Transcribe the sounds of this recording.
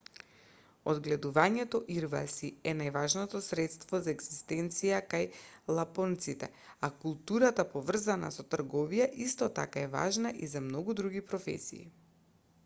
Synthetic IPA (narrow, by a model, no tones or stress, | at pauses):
ɔd̪ɡlɛd̪uvaɲɛt̪ɔʔiɾvasiɛnajvaʒnɔt̪ɔsɾɛt̪st̪vɔzaɛɡz̥ist̪ɛnt̪sijakajlˠapɔnt̪sit̪ɛ̰ | akulˠt̪uɾat̪apɔvr̩zana̰sɔt̪r̩ɡɔvijaʔist̪ɔt̪a̰kaɛva̰ʒnaʔizamnɔɡud̪ɾuɡipɾɔfɛ̰sḭːḭ